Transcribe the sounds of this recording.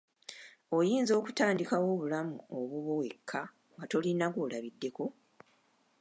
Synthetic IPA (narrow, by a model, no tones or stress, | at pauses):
o̞jiːnzo̞ːku̥taːndikawo̞ːβulamṵo̞βuβo̞we̞kʰːa | ŋɡato̞linaɡolaβidːe̞ko̞